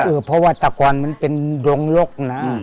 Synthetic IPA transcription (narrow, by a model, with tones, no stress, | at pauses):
ʔɤː˧˩pʰɔ˧waː˧˩t̪ːa˧kɔː˨nma˧˥˨npe˨ndo˨˧ŋlo˦˥˩k̚na˦˥˨